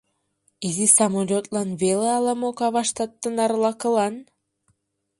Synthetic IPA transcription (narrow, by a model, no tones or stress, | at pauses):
izisamolʲot̪lɑnβeleɑlˠɑmokɑβɑʃt̪ɑt̪ːənɑɾlˠɑkəlɑn